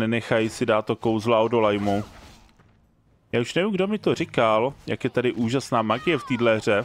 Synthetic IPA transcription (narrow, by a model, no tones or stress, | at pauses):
nɛnɛxajsɪdaːt̪ːoko̞wzlaodolajmu | jaːuʃnɛvimɡdo̞mɪt̪o̞rɪkaljakjɛt̪adɪʔuːʒasnaːmaɡɪjɛft̪iːdlɛɦr̝ɛ